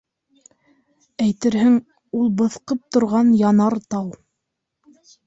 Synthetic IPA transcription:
æjt̪ɘɾɦɘŋ | ulˠbɤ̆θqɤp̚t̪ŏɾʁɑnjɑnɑɾt̪ɑw

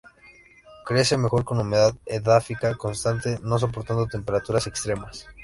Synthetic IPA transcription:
kɾe̞se̞me̞xo̞ɾko̞nume̞ðaðeðafikako̞nst̪ant̪e̞no̞s̬o̞p̬o̞ɾt̪and̪ot̪e̞mpe̞ɾat̪uɾasekst̪ɾe̞mas

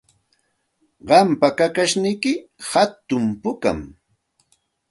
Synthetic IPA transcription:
ɢɑmpakakaʃnɪjkɪhat̪ʊmpʊka̰m

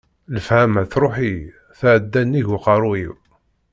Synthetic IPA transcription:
ləfhæmæθɾˤoħi | θæʕəd̪ːænːiʝʊqɑɾˤuiw

